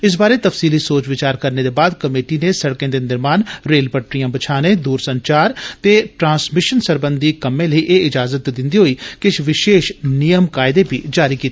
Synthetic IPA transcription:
ɪs̬baːɾet̪əfsiːliːsoːt͡ʃʋɪt͡ʃaːɾkəɾneːd̪eːbaːd̪kəmeːʈinesəɽkẽːd̪eːnɪɾmaːnɾeːlpəʈɾijãːbət͡ʃʰaːnẽːd̪uːɾsəɲt͡ʃaːɾt̪eːʈɾãːsmɪʃənsəɾbənd̪iːkəmẽːləiːʔeːɪd͡ʒaːzət̪d̪ɪ̃nd̪iːɦoːiːkɪt͡ʃʰʋɪʃeːʃnijəmkaːɪd̪eːbḭːd͡ʒaːɾiːkiːt̪ː

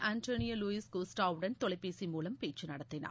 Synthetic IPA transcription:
ʔaːnʈoːnɪjɐluːɪskoːsʈaːʋʊɽɐnt̪ɔɭɐɪpːeːsimuːlɐmpeːt͡ʃːɯnɐɽɐt̪ːɪna̰ː

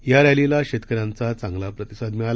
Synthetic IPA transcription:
jaɾalilaɕet̪kəɾãnt͡sat͡sãŋɡlapɾət̪isad̪miɭal

